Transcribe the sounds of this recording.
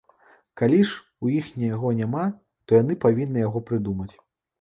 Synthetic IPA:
kalʲiʂ | ujixnʲijaɣɔnʲama | t̪ɔjan̪ɨpavʲinːɨjaɣɔpɾɨd̪umɐt͡sʲ

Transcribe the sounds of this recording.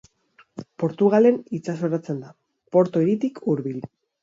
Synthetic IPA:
po̞ɾt̪uɣ̞ale̞nit͡saso̞ɾat͡se̞nd̪a | po̞ɾt̪oiɾit̪ikʰuɾβil

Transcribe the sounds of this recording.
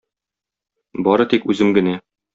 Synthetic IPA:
bɒɾɤt̪ikʉzɘmɡɘ̆næ

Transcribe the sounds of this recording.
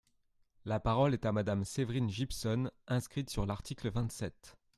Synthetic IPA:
lapaʁɔlɛt̪amad̪amsevʁinʒipsɔnɛ̃skχit̪syʁlaʁt̪ʰikləvɛ̃t̪sɛt̪

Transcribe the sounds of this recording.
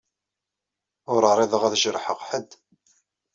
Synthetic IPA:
ʊɾˤɑɾˤːeðəʁæðʒəɾħəʁħəd̪

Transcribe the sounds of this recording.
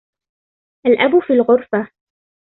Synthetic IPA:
ʔalʔabʊfiːlɣʊɾfa

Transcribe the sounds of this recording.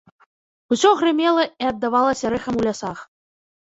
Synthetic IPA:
usʲɔɣɾɨmʲɛlˠɐiɐd̪ːavalˠɐsʲɐɾɛxɐmuwlʲasax

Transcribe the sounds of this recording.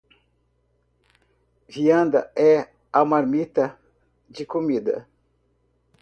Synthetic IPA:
viɐ̃nd̪ɐ̰ɛ | amaɾmit̪ɐ | d͡ʒɪkomid̪ɐ̰

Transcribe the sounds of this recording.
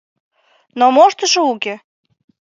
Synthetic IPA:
nomoʃt̪əʃouke

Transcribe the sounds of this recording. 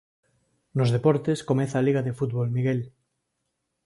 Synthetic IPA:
nozðepoɾt̪eskomeθaːliɣaðefut̪βolmiɣel

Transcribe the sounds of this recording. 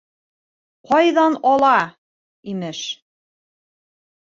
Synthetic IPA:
qɒjðɑnɑlˠɑ | imɘʃ

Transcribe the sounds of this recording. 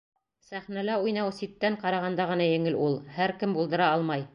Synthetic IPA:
sæχnælæujnɑwsit̪ːæɴqɑɾɑʁɑnd̪ɑʁɤ̆nɑjɘ̆ŋɘlulˠhæɾkɘmbulˠd̪ɤ̆ɾɑɑlˠmɑj

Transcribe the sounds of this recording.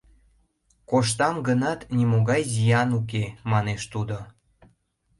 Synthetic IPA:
koʃ̬t̪ɑmɡənɑt̪nʲimoɣɑjzijɑnuk̬emɑneʃt̪ud̪o

